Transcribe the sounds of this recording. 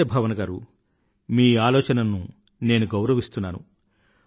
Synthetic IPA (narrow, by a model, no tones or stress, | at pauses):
ebʱɐʋɐnɐɡaːɾu | miːaːlɔːt͡ʃɐnɐnːu | ne̞ːnuɡɐwɾɐʋist̪unːaːnṵ